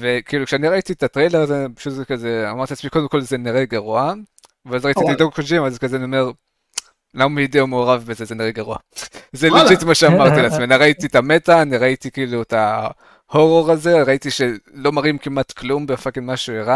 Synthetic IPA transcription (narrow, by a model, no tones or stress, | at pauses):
vekiːlukʃeaniʁaititatʁejleʁazepḁʃutzekazeamaʁt̪iat͡smiko̞demko̞lzeniʁeɡaʁua | veazʁaittiid̪oɡχoʃimazkazeaniome̞ʁ | lamaideomeoʁavbezezeniʁeɡaʁua̰zelititmaʃeamaʁt̪ileat͡smenaʁaititame̞taːniʁaitikiiːlueta | ho̞ʁo̞ʁaze̞ʁaitiʃe̞lo̞maʁimkimatklumbeafakinmaʃueʁa